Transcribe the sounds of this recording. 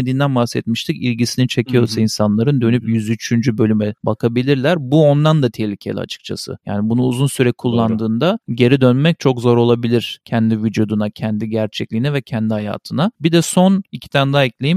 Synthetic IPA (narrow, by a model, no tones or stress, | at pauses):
ed̪iːnd̪ænbahsɛt̪̚miʃt̪ʰicilʲɟisinit͡ʃʰe̞cʰijo̞ɾsainsanlˠaɾɯnd̪ø̞nypjyzyt͡ʃʰynd͡ʒybø̞lʲymɛbakʰabilʲiɾlʲæɾbuo̞nd̪and̪at̪ʰeçlʲicʰelʲḭa̰t͡ʃʰɯ̥k̚t͡ʃʰa̰sɯ̰ja̰ːnibunuuzunsyɾɛkʰulˠːand̪ɯːnd̪aɟe̞ɾid̪ø̞nmɛc̚t͡ʃʰo̞kzo̞ɾo̞lˠabilʲiɾ̥cʰɛnd̪ivid͡ʒud̪unacʰɛnd̪iɟæɾt͡ʃʰɛclʲinɛvɛcʰɛnd̪ihaja̰ːt̪ʰɯnabid̪ɛso̞nicʰi̥t̪ʰænd̪aɛclʲejim